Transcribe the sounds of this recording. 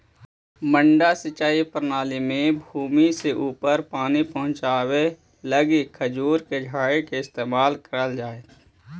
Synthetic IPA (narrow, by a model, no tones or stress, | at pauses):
mə̃ɳɖasɪt͡ʃaːipɾnaːlimẽbʱuːmiseʔuːpəɾpaːnipəɦʊ̃t͡ʃaːwe | ləɡikʰəd͡ʒuːɾked͡ʒʱaːɽekeɪst̪eːmaːlkəɾəld͡ʒaːeː